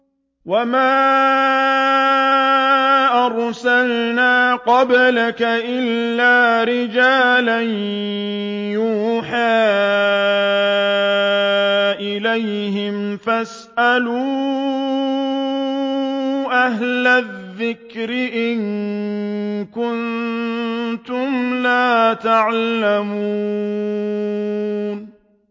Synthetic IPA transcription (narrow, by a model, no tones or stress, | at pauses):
wamaː | ʔɑɾˤsalnaːqɑblakaʔɪlːaːɾɪd͡ʒaːlan | juːħaː | ʔɪlajhɪmfas | ʔaluː | ʔaɦlaððːɪkɾɪʔɪn | kʊn | t̪ʊmlaːt̪aʕlamuː | n